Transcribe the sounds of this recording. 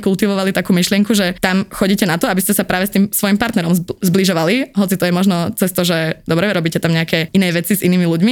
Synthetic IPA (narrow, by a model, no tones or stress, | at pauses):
kulˠt̪iʋɔʋalit̪akuːmiʃlɪɛŋkuʒɛt̪amxɔɟiːcɛnat̪ɔabiscɛsapɾaːʋɛst̪iːmsʋɔjimpaɾt̪nɛɾɔmzbliʒɔʋaliɦɔt͡sit̪ɔjɛmɔʒnɔt͡sɛst̪ɔʒɛd̪ɔbɾɛɾɔbiːcɛt̪amɲɛakɛinɛːʋɛt͡sizʔiniːmiluɟmi